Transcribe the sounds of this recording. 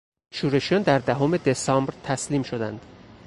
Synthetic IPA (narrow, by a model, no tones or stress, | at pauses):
ʃuːɾe̞ʃjɒːnd̪æɾd̪æɦome̞d̪esɒːmbɾt̪ʰæsliːmʃod̪ænd̪̥